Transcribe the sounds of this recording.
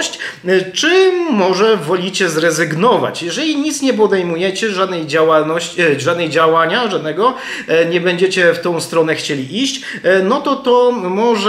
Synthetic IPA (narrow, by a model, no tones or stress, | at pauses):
ɕt͡ɕt͡ʂɘːɔʐɛvɔlʲit͡ɕɛzɾɛzɘɡnɔva̰t͡ɕjɛʐɛlʲiɲit̪sɲɛp̬ɔd̪ɛjmujɛt͡ɕɛʐad̪nɛjd͡ʑawalnɔɕt͡ɕʐad̪nɛjd͡ʑawaɲaʐad̪nɛɡɔ | ɲɛbɛɲd͡ʑet͡ɕɛft̪ɔ̃w̃st̪ɾɔnɛxt͡ɕelʲiʔiɕt͡ɕnɔt̪ɔt̪ɔmɔʐ